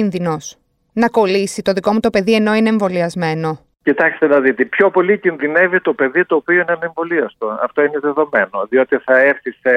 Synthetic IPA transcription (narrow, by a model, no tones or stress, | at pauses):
inðino̞s | nɐko̞lisit̪o̞ðiko̞mut̪o̞pe̞ðie̞no̞ine̞ːɱvo̞liɐzme̞no̞ | cit̪ɐkst̪enɐðit̪epço̞po̞licinðine̞vit̪o̞pe̞ðit̪o̞ːpioinɐneɱvo̞liɐst̪oɐ̰ft̪oineðe̞ðo̞me̞no̞ðio̞t̪iθɐeɾθise